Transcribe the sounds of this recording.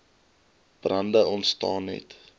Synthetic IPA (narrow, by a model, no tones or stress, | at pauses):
b̥rɐndəʔɔntstɑːnɛ̰t